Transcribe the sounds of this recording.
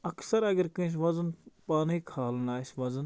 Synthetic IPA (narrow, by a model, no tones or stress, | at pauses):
ɐksɐɾɐɡɐɾkə̃ːs̬ʋɐzənpaːniːkʰaːlnaːsʋɐzən